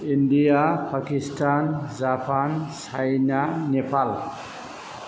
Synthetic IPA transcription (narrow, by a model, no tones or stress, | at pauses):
indijapʰakistʰanzapʰant͡ʃʰajnanepʰal